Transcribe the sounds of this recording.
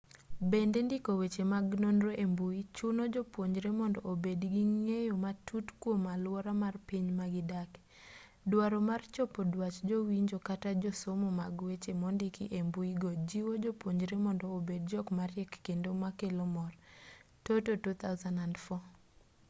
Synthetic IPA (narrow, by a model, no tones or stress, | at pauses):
bendendɪkowet͡ʃemaɡnonɾoʔembuit͡ʃʊnod͡ʒopwoɲd͡ʒɾemɔndɔʔobedɡiŋejomatʰutkwomalwɔɾamarpiɲmaɡɪdak | dwaɾɔmart͡ʃɔpɔdwat͡ʃd͡ʒowiɲd͡ʒokatad͡ʒosomomaɡwet͡ʃemɔndɪkiʔembuiɡod͡ʒiwod͡ʒopwoɲd͡ʒɾemɔndɔːbed̚d͡ʒɔkmaɾjɛkːendomakelomɔr | tototut̪ʰaʊzanandfɔ